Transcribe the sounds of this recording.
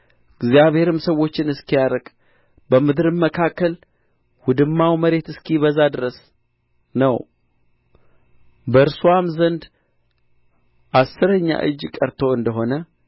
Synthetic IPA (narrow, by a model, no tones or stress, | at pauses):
ɡzijaβhe̞ɾɨmsəwːo̞t͡ʃːɪnɨskijaɾəɡʼ | bəmɨd̪ɾɨmːəkʰakːəl | wʊd̪ɨmːawməɾe̞t̪ɨskʰiβəzːad̪ɨɾəs | nəw | bəɨɾsuamzənd̪ | ʔasːɨɾəɲːa̰ʔɨ̰d͡ʒːkʼəɾt̪ʰo̞ɨnd̪əɦo̞nə